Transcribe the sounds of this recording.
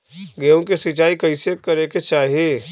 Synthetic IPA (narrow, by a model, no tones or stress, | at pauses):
ɡeõkesɪt͡ʃaːikɐisekɐɾeket͡ʃaːɦie